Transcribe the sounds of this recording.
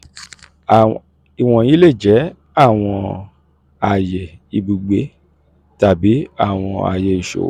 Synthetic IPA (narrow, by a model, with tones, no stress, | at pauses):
i˨w̃ɔ̃˧ji˦le˦˨d͡ʒɛ˨˦ | a˦˨w̃ɔ̃˧ | a˨je˨i˧bu˨ɡ͡be˨˦ | ta˨bi˨˦a˦˨w̃ɔ̃˧a̰˨je˧i˨ʃo̰˨